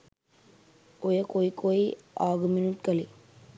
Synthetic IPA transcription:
ojekoːikoiaːɡminuʈkəli

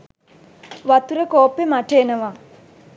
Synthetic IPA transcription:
ʋat̪uɾəkoːpːemaʈeːnəʋa

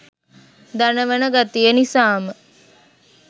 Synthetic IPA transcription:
d̪anəʋənəɡat̪ijənisaːmə

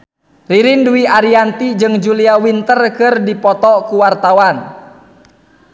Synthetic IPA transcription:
riɾinduwiʔaɾiant̪id͡ʒɨŋd͡ʒuliawint̪ərkɨrdipɔt̪ɔkuwart̪awan

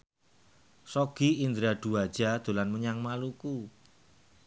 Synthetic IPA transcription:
sɔɡ̥iind̪ɾad̪̥ṳwad̥ʒ̥a̤d̪̥o̤lanməɲaŋmaluku

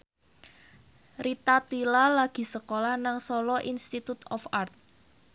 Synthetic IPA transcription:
rit̪at̪ilalaɡ̥i̤səkolahnaŋsɔlɔʔinst̪it̪ut̪ɔfart̪̚

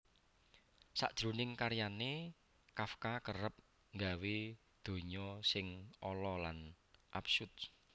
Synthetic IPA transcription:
sa̰ʔd̥ʒ̥ɾṳnɪŋkaɾjane | kafkakərəp̚ | ŋɡawe | d̪̥o̤ɲɔsɪŋɔlɔlanʔapsud̪̚

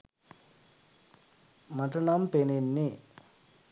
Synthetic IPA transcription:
mɐʈunampeninːi

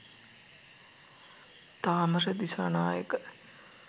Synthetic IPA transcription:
t̪aːmərəd̪isanaːjəkə

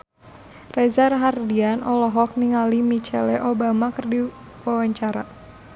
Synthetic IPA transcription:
rɛzarɦardianʔɔlɔɦɔk̚niŋalimit͡ʃɛ̰lɛʔobamakɨrdi | wawaɲt͡ʃaɾa

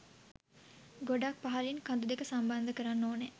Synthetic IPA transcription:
ɡoɖak̚paɦalinkand̪ud̪ekəsamband̪əkəɾanːoːne

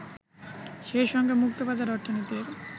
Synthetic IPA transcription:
ʃeʃɔŋɡemuk̚t̪obad̪aɾɔɾt̪ʰanit̪eɾ

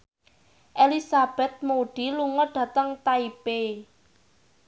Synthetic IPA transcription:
ʔelisab̥ɛ̤t̪̚moɖ̥i̤luŋəɖ̥ä̤t̪əŋt̪aipe

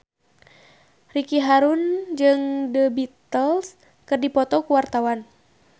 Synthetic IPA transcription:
rikiɦaɾund͡ʒɨŋdəbit̪əls | kɨrdipɔt̪ɔkuwart̪awan

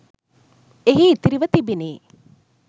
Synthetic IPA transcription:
eɦiːt̪iɾiʋət̪ibineː

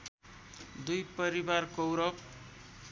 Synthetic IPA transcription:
d̪ujpʌɾibarkowɾʌp̚

